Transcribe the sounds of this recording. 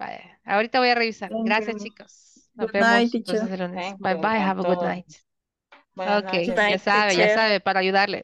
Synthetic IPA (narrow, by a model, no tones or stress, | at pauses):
ba̰ja̰a̰oɾit̪aβo̞jareβisaɾɡɾasjast͡ʃikos | aβet̪osselonesbajbajɦavəɡud̪na̰jt̪ | okejasaβeʝasaβepaɾaːjuðaɾlḛ